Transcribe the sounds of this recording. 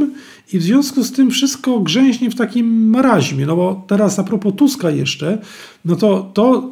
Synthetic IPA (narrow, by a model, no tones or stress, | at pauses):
ivzvʲjɔ̃w̃skust̪ɘmfʂɘst̪̚kɔɡʐɛ̃w̃ʑɲɛft̪akʲimːaɾaʑmʲjɛnɔbɔt̪ɛɾasapɾɔpɔt̪uskajɛʂt͡ʂɛ | nɔt̪ɔt̪ɔ